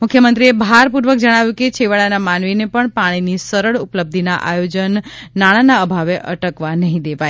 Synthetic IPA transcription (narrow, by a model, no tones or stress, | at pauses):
mʊkʰjəmənt̪ɾiebʱaɾpuɾʋək̚d͡ʒəɽ̃aʋjũket͡ʃʰeʋaɭanamanʋinepəɳpaɽ̃inisəɾəɭupələb̚d̪ʱinaʔa̰jod͡ʒənːaɽ̃anaəbʱaʋeʔəʈəkʋanəɦĩd̪eʋaj